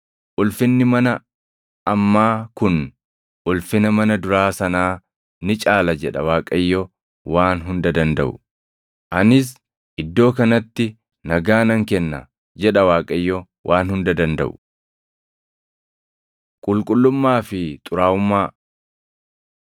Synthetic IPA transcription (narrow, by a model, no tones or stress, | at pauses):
ʔʊlfɪnːɪmɐnɐ | ɐmːaːkʊn | ʔʊlfɪnɐmɐnɐd̪ʊɾaːsɐnaː | nɪt͡ʃʼaːlɐd͡ʒɛᶑɐ̰waːkʼɐjːɔ | waːnɦʊnd̪ɐd̪ɐnd̪ɐ̰ʔʊ̥̰ | ʔɐnɪs̬ | ʔɪd̪ːo̞ːkɐnɐt̪ːɪ | nɐɡaːnɐŋkɛnːɐ̰ | d͡ʒɛᶑɐwaːkʼɐjːɔ | wʔaːnhʊnd̪ɐd̪ɐnd̪ɐ̰ʔʊ̥ | kʼʊlkʼʊlːʊmːaːfɪt̪ʼʊɾaːʊmːaː